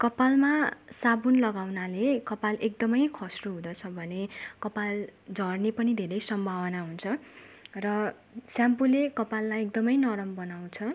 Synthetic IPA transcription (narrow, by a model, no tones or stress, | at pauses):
kʌpalmasabunlʌɡawnalekʌpalek̚d̪ʌmʌjkʰʌsruɦũd̪ʌt͡sʰʌbʱʌnekʌpald͡zʌrnepʌnid̪ʱeɾʌjsʌmbʱabʌnaɦunt͡sʰʌ | rʌ | sampulekʌpalːajekd̪ʌmʌjnʌɾʌmbʌnaw̃t͡sʰʌ